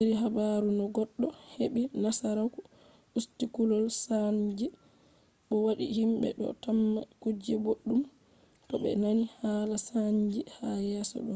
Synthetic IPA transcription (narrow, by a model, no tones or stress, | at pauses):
iɾiɦabaɾunɔɡɔɗːɔheɓinasaɾaku | ʔustikulɔlsaɲd͡ʒɛ | ɗɔwaɗḭhimbɛ̰ɗɔ̰tamːakud͡ʒɛboɗːum | tɔɓɛ̰nanihalasaɲd͡ʒihajasɔ̰ɗɔ